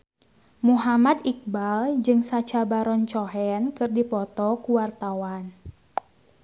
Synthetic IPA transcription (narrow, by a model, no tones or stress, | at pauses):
muɦamad̪ik̚bald͡ʒɨŋsat͡ʃabaɾɔnt͡ʃɔɦɛnkɨrdipɔt̪ɔkuwart̪awan